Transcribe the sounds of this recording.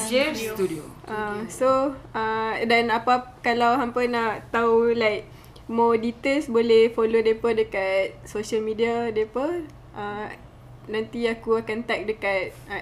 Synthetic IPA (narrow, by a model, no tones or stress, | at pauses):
d͡ʒet̪udioʔasoadanapakalawɦampənaʔt̪aulajk̚ | mɔdit̪elsbolehfolodepədəkat̪̚soʃəlmidiadepə | ʔa | nãnt̪iakuakant̪ak̚dəkat̪̚